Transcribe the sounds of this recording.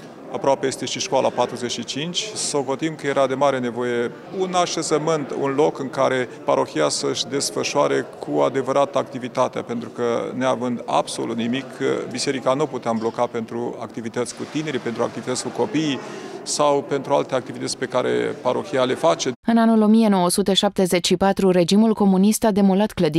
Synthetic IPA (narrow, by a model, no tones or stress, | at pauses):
apɾoape̞je̞st̪e̞ʃiʃkwalʔapat̪ɾuze̞t͡ʃʃit͡ʃint͡ʃʲso̞ko̞t̪imkəje̞ɾʔad̪e̞maɾe̞ne̞vo̞je̞ | unaʃezəmɨnt̪ṵnlo̞kɨŋkaɾe̞paɾʔo̞xiasəɨʃʲd̪e̞sfəʃwaɾe̞kʰuad̪e̞vəɾat̪əak̚t̪ivit̪at̪ea̰pe̞nt̪ɾukəneavɨnd̪a̰bso̰lut̪nimikʰbise̞ɾikanuput̪eamblo̞kape̞nt̪ɾua̰k̚t̪ivit̪ət̪sʲkut̪ine̞ɾipe̞nt̪ɾua̰k̚t̪ivit̪ət̪sʲkuko̞pisawpe̞nt̪ɾualt̪eak̚t̪ivit̪ət̪sʲpe̞kaɾe̞̰paɾo̞çʲiale̞fat͡ʃe̞ɨnanulo̞mije̞no̞wəsut̪e̞ʃap̚t̪e̞ze̞t͡ʃʲʃipat̪ɾuɾe̞d͡ʒimulko̞munist̪ad̪e̞molat̪kləd̪